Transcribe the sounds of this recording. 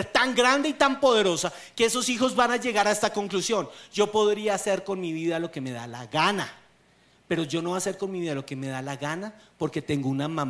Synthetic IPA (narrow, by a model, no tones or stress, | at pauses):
ɾt̪aŋɡɾand̪e̞it̪ampo̞ðe̞ɾo̞sa | ke̞e̞so̞sixo̞zbanaʝe̞ɣaɾae̞st̪ako̞ŋklusjo̞nd͡ʒo̞po̞ðɾiaːse̞ɾko̞nmiβiðalo̞ke̞me̞ða̰la̰ɣana | pe̞ɾo̞d͡ʒo̞no̞ase̞ɾko̞nmiβiðalo̞ke̞me̞ðalaɣanapo̞ɾke̞t̪e̞ŋɡounamãm